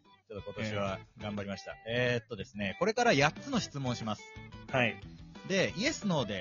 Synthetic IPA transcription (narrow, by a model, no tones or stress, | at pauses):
t͡ɕot̪ːoko̞t̪o̞ɕiβ̞aɡãmbaɾʲimaɕi̥t̪a̰eːt̪ːo̞d̪e̞sɨne̞ko̞ɾe̞kaɾajatt͡sɨno̞ɕi̥t͡sɨmõ̞ɰ̃ɕimasɨ̥haid̪e̞ie̞sɨno̞ːd̪e̞